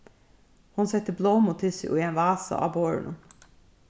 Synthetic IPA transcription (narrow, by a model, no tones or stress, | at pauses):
hʊnsɛt̪ːəbloːmʊt̪ʰɪsʏ̰ʔʊ̰ienʋɑːsɑ̰ʔɑ̰ːboːɹɳʊ̰